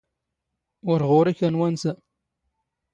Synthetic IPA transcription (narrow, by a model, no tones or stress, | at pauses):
ʊɾʁʊɾikænwænsə